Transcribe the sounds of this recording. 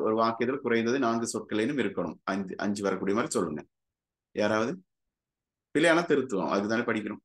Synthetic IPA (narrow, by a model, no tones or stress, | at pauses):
ɔɾɯʋaːkːɪjɐt̪ːɪlkʊɾɐɪnd̪ɐðɯnaːŋɡɯsɔʈ̚kɐlenːɯmɪɾɯkːɐɳɯ̰mɐʔɐ̰ɲd͡ʒɯʋɐɾɐkːuːɽijɐmaːd̪ɾisɔlːɯŋɡɐ | jaːɾaːʋɐðɯ | pɪlɐjaːnat̪ɛɾɯt̪ːɯʋã̰ːʔɐ̰ðɯkɯt̪aːneːpɐɽɪkʲːɐɾɯ̃m